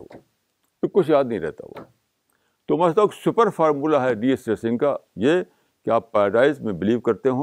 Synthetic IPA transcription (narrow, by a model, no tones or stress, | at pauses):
ekʊt͡ʃʰjaːd̪̚nɐɦĩːɾɛɦt̪a̰ʋa̰ː | t̪omɐslɐksʊpəɾfaːɾmuːlaɦɛɖiːesʈɾesɪ̃ŋɡkaje | keaːpːaːɾɐɖaːɪzmẽbɪliːʋkɐɾt̪eɦõː